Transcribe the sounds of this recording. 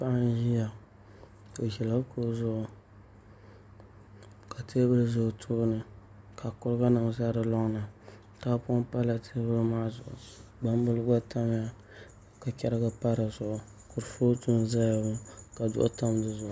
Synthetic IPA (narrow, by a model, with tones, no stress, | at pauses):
pa˦ʔa˦n˦ʒi˦ja˨ | o˨ʒɛ˨la˦kʊ˦zʊ˦ʔʊ˨ | ka˨tʰeː˦bɨ˦lɨ˦zʊ˨ʔtʰuː˦nɨ˨ | kʰa˨kʊ˦ɾɨ˦ɡa˦nɨ˨ŋ˨za˦ɾɨ˨lɔ˦ŋ˦na˨ | ta˦pʊ˦o˦mpa˦la˨tʰe˦bɨ˦lma˦zʊ˨ʔʊ̰˨ɡ͡ba˦m˦bʊ˦lɡa˦ta˦m˦ja˦ | ka˨kɛ˦ɾɡa˦pa˦ɾɨ˨zʊ˨ʔʊ˨ | kʊ˨ɾfo˦tu˦n˦za˦ja˨bʊ˦ka˨dʊ̰˦ʔʊ˦ta˦mdɨ˦˨zʊ˨ʔʊ˨